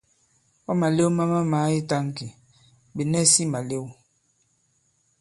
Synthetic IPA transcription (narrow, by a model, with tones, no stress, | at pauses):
ɔ˦ma˨le˦wma˦ma˦ma˨˦i˦ta˦ŋ˦ki˨ | be˨nɛ˦si˦ma˨le˦w